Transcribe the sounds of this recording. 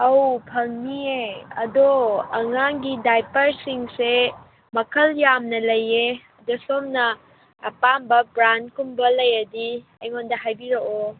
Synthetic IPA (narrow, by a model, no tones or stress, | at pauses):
ɐwpʰɐŋnieɐdoɐŋaŋɡidajpɐɾsiŋse | mɐkʰɐljamnɐlɐjeɐdosomnɐː | pambɐbɾankumbɐlɐjɐdi | ɐjŋondɐɦajbiɾoo